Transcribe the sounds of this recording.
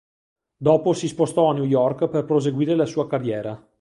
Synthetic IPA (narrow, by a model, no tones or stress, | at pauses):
d̪ɔːposispost̪ɔanjujɔrkperpɾoz̬eɡwiːɾelasuːakarːjɛːɾa